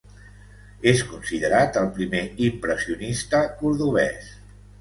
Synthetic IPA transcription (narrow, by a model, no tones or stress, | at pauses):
eskunsiðəɾat̪əlˠpɾimeimpɾəsiunist̪əkuɾðuβ̞ɛ̰s